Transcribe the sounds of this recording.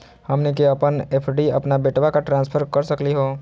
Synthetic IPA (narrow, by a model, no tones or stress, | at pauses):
hɐmnek̬eɐpəneːpʰɖiɐpnabeːʈʋakaʈɾãːnspʰəɾkɐɾsəkliɦoː